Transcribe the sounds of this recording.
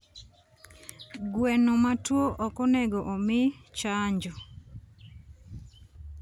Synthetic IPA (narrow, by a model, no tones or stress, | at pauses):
ɡwɛnomatwoʔɔkɔnɛɡɔʔomɪt͡ʃaɲd͡ʒɔ